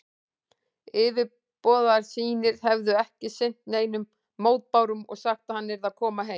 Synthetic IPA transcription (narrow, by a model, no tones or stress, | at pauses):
ɪvɪ | pɔːðaɾ̥siːnɪɾ̥hɛvðʏɛhcɪsɪn̥t̪neːjnʏmː | owt̪̚paːwɾʏmɔ̰ɣsaxt̪ahanːɪɾðaðkʰɔːmaɦe